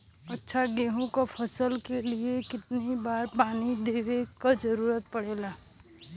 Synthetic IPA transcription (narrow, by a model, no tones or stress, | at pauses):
ɐtːʃʰaɡeːɦõkapʰɐsəlkeliekɪt̪nibaːɾpaːnid̪eːʋekad͡ʒəɾuːɾət̪̚pɐɽeːlaː